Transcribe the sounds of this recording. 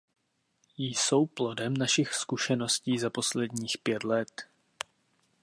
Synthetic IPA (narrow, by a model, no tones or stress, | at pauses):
jso̞wplodɛmnaʃɪxskuʃɛno̞sciːzapo̞slɛdɲiːxpjɛt̪lɛt̪